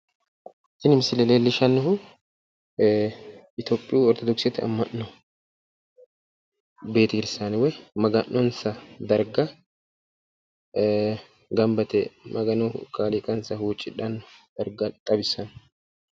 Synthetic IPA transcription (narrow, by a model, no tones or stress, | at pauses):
sɪnɪmɪsɪlɛleːlːɪʃɐnːɔɦʊ | ɪt̪oːpʼːɪjuːɔɾt̪ɔd̪ɔksɛt̪ːɪɐ̰mːɐnːɔ | be̞ːt̪ɪɡɪɾɪsːanɪwɛjmɐɡɐnːɔnsɐd̪ɐɾɡɐ | ɡɐmbɐt̪ɛmʔɐɡɐnɔkʰaːlikʼɐnsɐhuːt͡ʃʼːɪᶑɐnːd̪̥ɐɾɡɐt̪ʼɐbɪsːɐn